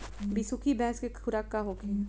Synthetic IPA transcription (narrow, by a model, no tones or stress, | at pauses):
bisukʰibɛ̃ːskekʰʊɾakːaɦoːke